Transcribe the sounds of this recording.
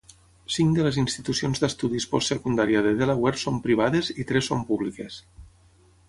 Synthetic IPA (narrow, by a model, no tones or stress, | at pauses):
siŋd̪ələzinst̪it̪usionzd̪əst̪uðispɔstːsəkund̪aɾjaðeðelawɛɾpsompɾiβ̞aðezit̪ɾɛsːompuβlikes